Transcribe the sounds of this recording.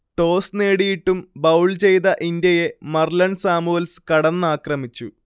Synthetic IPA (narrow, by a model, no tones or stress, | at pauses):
ʈo̞ːsneːɽijiʈːumbɐwɭt͡ɕe̞jðɐʔind̪jɐje̞mɐrlɐɳsaːmuɐlskɐɽɐnːaːkrɐmit͡ɕːu